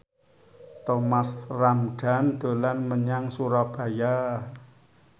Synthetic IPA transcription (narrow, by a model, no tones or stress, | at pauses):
t̪omasramɖ̥a̤nd̪̥o̤lanməɲaŋsuɾɔb̥a̤ja